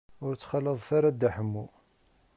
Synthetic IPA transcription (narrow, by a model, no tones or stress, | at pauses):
ʊɾt͡sːχələðˤθaɾad̪aħəmːu